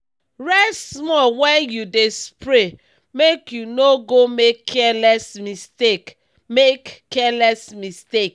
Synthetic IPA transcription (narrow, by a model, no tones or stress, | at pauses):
ɹɛsmɔwɛnjudespɹe | mekjunoɡomekʰːɛlɛsmistek | mekːɛlɛsmistek